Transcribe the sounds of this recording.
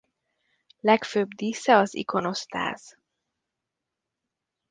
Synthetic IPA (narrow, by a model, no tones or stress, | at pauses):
lɛkføːbd̪iːsɛɒzḭko̞no̞st̪a̰ːz̥